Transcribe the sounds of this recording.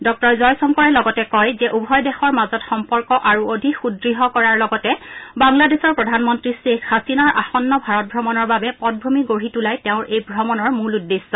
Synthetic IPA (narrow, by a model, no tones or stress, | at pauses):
dɔk̚tɔɹzɔjsɔŋkɔɹɛlɔɡɔtɛkɔjzɛʔubʱɔjdɛxɔɹmazɔtxɔmpɔɹkɔʔaɹuodʱikxudɹiɦɔkɔɹaɹlɔɡɔtɛbaŋladesɔɹpɹɔdʱanmɔntɹisekxasinaɹʔa̰xɔnːɔbʱaɹɔt̚bʱɹɔmɔnɔɹbabɛpɔt̚bʱumiɡoɹitulajtɛʊ̃ɹʔejbʱɹɔmɔnɔɹmuludːesːɔ